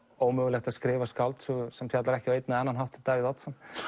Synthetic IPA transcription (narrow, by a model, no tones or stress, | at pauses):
oːwmœːɣlɛxt̪askɾɪːvaskawlt̪susɛmfjat̪laɾɛhcɪawejt̪naɛnːanɦawht̪ɪt̪aːvɪðɔt̪sɛm